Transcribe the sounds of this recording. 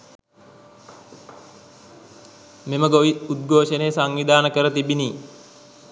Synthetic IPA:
meməɡoʋiud̪̚ɡoːʃənejəsaŋʋid̪aːnəkəɾət̪ibiniː

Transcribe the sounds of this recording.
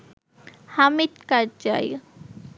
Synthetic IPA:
hamit̪kaɾd͡ʒa̰j

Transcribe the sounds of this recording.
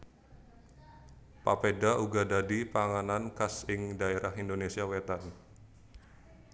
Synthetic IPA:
pa̰pedaʔuɡadadipaŋanankasɪŋdaeɾʔahindonesiawet̪an

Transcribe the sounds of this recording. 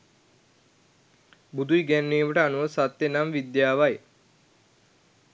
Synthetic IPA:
bud̪ʱujɡɛnːiːməʈəɐnuʋɐsɐt̪ːjenamʋid̪jaːʋɐj

